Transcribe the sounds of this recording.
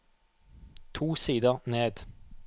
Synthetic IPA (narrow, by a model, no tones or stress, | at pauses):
t̪ʰuːsiːd̪əʁneːd̪